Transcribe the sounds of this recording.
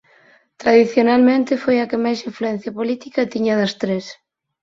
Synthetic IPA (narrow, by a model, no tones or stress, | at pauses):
t̪ɾaðiθjonalmẽnt̪ɪfojɐkɪmajsiɱfluɛ̃n̟θjɐpolit̪ikɐt̪iɲɐð̞ɐst̪ɾes